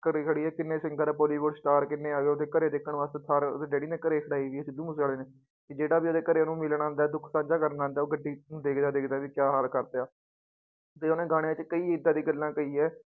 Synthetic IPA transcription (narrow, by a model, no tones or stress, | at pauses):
kəɾiːkʰəɽiːɛːkɪnːeːsɪ̃ŋɡəɾaːpoːliːʋoːɽsʈaːɾkɪnːeːaːʋeːod̪eːkəɾeːd̪eːkʰːəɳʋaːst̪eːt̪ʰaːɾd̪eːɖeːɽiːneːkəɾeːkʰəɽaːiːʋiːəsĩd̪ũːmʊsaːleːneː | kɪd͡ʒeːɽaːbiːoːd̪eːkəɾeːnũːmɪlɳ̃ãːnd̪aːɛːd̪ʊkʰsãːɲd͡ʒaːkəɾnaːnd̪aːoːɡəɖːiːñːd̪eːkʰd̪aːd̪eːkʰd̪aːʋiːkjaːɦaːlkəɾt̪eaː | t̪eːoːnẽːɡaːɽẽt͡ʃkəiːɪd̪aːd̪iːɡəlːãːkəiːɛː